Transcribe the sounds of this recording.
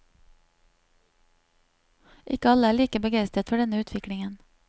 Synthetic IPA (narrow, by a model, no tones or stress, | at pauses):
ʔɪkəɑləæːɭiːkəbəɡæɪst̪ət̪fɔɖɛnəʉːt̪ʰʋɪkɽɪŋən